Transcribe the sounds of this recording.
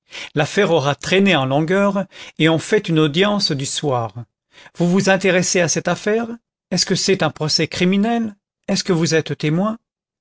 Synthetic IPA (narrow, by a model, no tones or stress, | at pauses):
lafɛʁɔʁat̪χeneɑ̃lɔ̃ɡœːʁeɑ̃fɛt̪ynod̪jɑ̃sd̪yswaːʁ | vuvuzɛ̃t̪eʁɛseasɛt̪afɛʁ | ɛskəsɛt̪ɛ̃pχɔsɛkχiminɛl | ɛskəvuzɛt̪t̪emwɛ̃